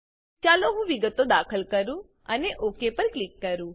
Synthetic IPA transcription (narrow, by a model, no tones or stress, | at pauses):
t͡ʃaloɦũʋiɡət̪od̪akʰəlkəɾũ | əneʔokepəɾklikːəɾũ